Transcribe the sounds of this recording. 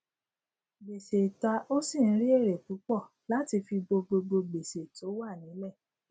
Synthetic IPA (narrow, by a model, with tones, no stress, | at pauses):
ɡ͡be˨se˨ta˧o˦si˦˨n̩˦ɾi˦e˦˨ɾe˨fu˨˦k͡pɔ˦˨ | la˨˦ti˧fi˧ɡ͡bo˧ɡ͡bo˧ɡ͡bo˧ɡ͡be˨se˨to˨˦wa˦˨nĩ˨˦lɛ˦˨